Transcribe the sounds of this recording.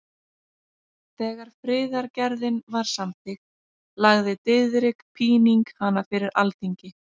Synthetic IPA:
θɛːɣaɾ̥fɾɪːðaɾcɛɾðɪnvaɾ̥samt̪ɪk̪ | laɣðɪt̪ɪðɾɪkpʰiːniŋkhanafɪɾɪɾʔa̰lt̪iɲcɪ

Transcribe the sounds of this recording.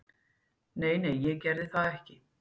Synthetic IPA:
neːjneːjjɛɣcɛɾðɪθaðɛhcɪ

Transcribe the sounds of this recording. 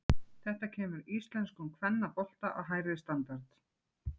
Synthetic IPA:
θɛht̪acʰɛːmʏɾist̪lɛnskʏmkʰvɛnːapɔl̥t̪aʔaɦaːjɾɪst̪ant̪aɾt̪

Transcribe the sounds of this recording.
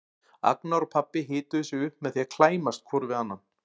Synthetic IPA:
a̰knaɾɔpʰapːɪɦɪːt̪ʏðʏsjɛʏhpmɛðθiakʰlaːjmast̪̚kʰvɔɾvɪðanːan

